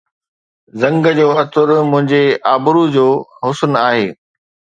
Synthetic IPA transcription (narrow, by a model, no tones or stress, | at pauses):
zɐ̃ŋɡəd͡ʑoːɐt̪ʰʊɾmʊ̃ɦɪ̃ɲd͡ʑeaːbʊɾud͡ʑoːɦʊsnaːɦeː